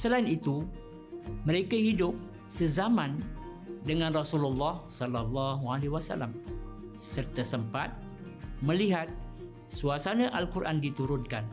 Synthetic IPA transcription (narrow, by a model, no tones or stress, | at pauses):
səlaɪnit̪u | mə̃ɾekahidʊp̚ | səzamãn | dəŋãnrɔsululːɑhsɔlalːɑɦualewasa̰lam | sərt̪asəmpat̪̚ | mə̃liɦat̪̚ | suasanãʔalkuɾʔandit̪uɾʊnkan